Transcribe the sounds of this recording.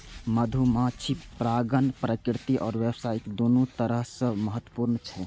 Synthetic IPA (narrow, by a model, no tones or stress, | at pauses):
məd̪ʱumãt͡ʃʰipɾaɡənpɾəkɾt̪iʔɔːɾʋɛbsajked̪onut̪əɾəɦsə̃məɦət̪wəpuɾnt͡ʃʰɛ